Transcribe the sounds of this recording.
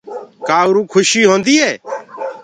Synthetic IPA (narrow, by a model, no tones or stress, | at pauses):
kaːʊɾũːkʰʊʃiːɦõːnd̪iːɦɛː